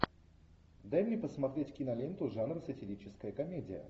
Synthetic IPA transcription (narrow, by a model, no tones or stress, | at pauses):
d̪ajmnʲepəsmɐt̪ɾʲetʲkʲɪnɐlʲent̪ʊʐanrəsətʲɪɾʲit͡ɕɪskəjəkɐmʲedʲɪjə̰